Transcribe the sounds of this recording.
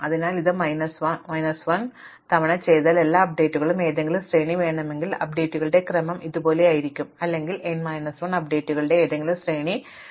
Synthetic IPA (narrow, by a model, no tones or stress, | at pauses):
ɐðinaːliðɨmɐjnɐsʋɐnmɐjnɐsʋɐn | t̪ɐʋiɳɐt͡ɕe̞jt̪aːle̞lːaːɐp̚ɖe̞ːtːuɣɐɭume̞ːðeŋɡilusreːɳiʋe̞ːɳɐme̞ŋɡilɐ̰p̚ɖe̞ːtːuɣɐɭɨɽe̞krɐmɐmʔiðubo̞ːle̞aːjiɾikʲːumɐlːe̞ŋɡilenmɐjnɐsʋɐɳɐp̚ɖe̞ːtːuɣɐɭɨɽe̞ːðeŋɡilumsreːɳi